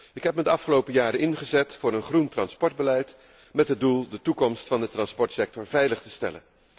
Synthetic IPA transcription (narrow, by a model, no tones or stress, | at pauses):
ɪkɦɛpmədəɑfχəlowpəjaːɾəɪnχəzɛtfʊːɾənχruntrɑnspɔɹd̚bəlɛjt | mɛtɦəd̚ulˠdətukɔmstfɑndətrɑnspɔɹtsɛk̚tɔɹvɛjləχtəstɛ̰lə̰n